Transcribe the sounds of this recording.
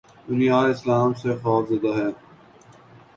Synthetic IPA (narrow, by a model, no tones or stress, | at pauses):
d̪ʊnijaːɪslaːmsexɔːfzed̪aːɦɛː